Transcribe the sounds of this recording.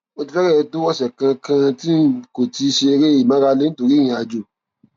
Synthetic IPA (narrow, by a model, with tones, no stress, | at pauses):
o˧ti˧fɛ˦ɾɛ˦˧do˦wɔ˦ʃɛ˨kã˧kã˧ti˦ko˨ti˧˦ʃe˧e˧ɾe˦i˦˨mã˨˦ɾa˧le˦n̩˦to˧ɾi˦j̃ĩ˧a˧d͡ʒo˨